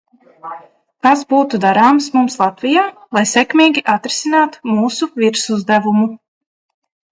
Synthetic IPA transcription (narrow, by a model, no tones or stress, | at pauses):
kazbuːt̪ud̪aɾaːmsmumslˠat̪vʲijaːlˠajsɛkmʲiːɡʲiʔat̪ɾisinaːt̪u̥muːsuviɾsuzd̪ævumu